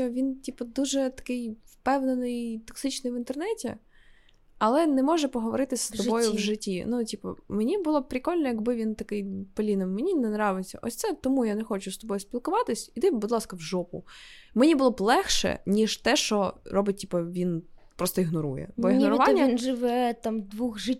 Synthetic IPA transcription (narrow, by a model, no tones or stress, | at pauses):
ʋʲintʲipɐd̪uʒɛt̪ɐ̥kɪjwpɛwnenɪjt̪ɔksɪt͡ʃnɪjʋɪnt̪ɛrnɛtʲḭ | ɐlˠɛnɛmɔʒɛpɔɦɔʋɔɾɪt̪ɪsʲstt̪ɔbɔjʊʋʒɪtʲːinutʲipɐ̰menʲibʊlˠɔpɾʲɪkɔlʲnɔjɐɡbɪʋʲint̪ɐkɪjpɐlʲinɪmːenʲinɛnɾɑʋɪt͡sʲːɐ̰ʔɔsʲt̪sɛt̪ɔmujanɛxɔt͡ʃʊst̪ɔbɔjʊspʲilˠkʊʋɑt̪ɪsʲit̪ɪbʊd̪lˠɑskɐwʒɔpʊ | menʲibʊlˠɔblˠɛxʃɛ̰nʲiʒt̪ɛʃt͡ʃɔɾɔbɪt̚ʲtʲipɐʋʲinpɾɔst̪ɔiɦnɔɾṵjɛ̰bɔiɦ̪ɔɾʊʋɑnʲːɐinʒɪʋɛt̪ɑmd̪ʋuxʒɪ